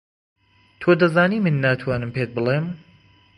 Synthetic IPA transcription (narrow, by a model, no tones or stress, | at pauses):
t̪ʰoːd̪ɐzaːniːmɨnːaːt̪ʰwaːnɨmpet̪̚bɨlˠem